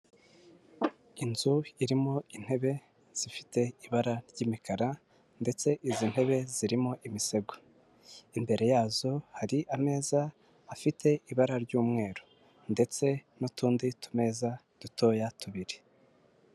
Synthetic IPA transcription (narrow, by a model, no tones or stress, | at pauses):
inzuiɾimoin̥he̞βe̞ | z̥ifi̥te̞iβaɾaɾɟiːmikaɾa | nde̞t͡se̞ʔizin̥he̞βe̞ziɾimo̞ʔimise̞ɡo̥ | imbe̞ɾe̞jaːzo̞haɾiʔame̞ːzaː | fitʰe̞ʔiβaɾaɾɟuːmŋe̞ːɾo | nde̞t͡se̞nutuːnditʰu̥me̞za | d̥utʰo̞ːjatʰuβiɾe̥